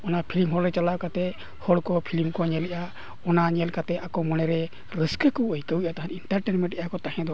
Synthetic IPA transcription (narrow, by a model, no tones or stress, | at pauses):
ɔnapʰilimɦɔɽɾɛt͡ʃalakat̪ɛ | hɔɽkɔpʰilimkɔɲɛlɛʔa | ɔnaɲɛlkat̪ɛʔakɔmɔñɛɾɛ | ɾəskəkəwəjkəwʔat̪aɦaniɳʈaɾʈɛnmɛ̃ɳʈɛʔakɔt̪aɦɛ̃d̪ɔ